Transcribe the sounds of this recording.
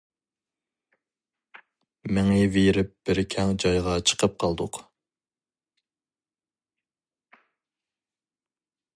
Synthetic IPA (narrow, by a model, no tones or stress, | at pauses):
mɪŋɪveɾɪp̚b̥ɪɾkʲʰɛŋd͡ʒɑjʁɑt͡ʃʰə̥qʰəp̚qʰɑlˠd̪ʊq